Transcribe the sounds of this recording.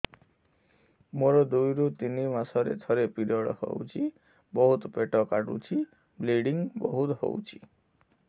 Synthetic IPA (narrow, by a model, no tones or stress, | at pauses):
moɾɔd̪ujɾut̪inimasɔɾḛt̪ʰɔɾepiɾɔɽɔhɔ̰wt͡ʃʰi | bɔɦut̪peʈɔkaɽṵt͡ʃʰi | bliɖiŋbɔɦut̪ho̰wt͡ʃʰi̥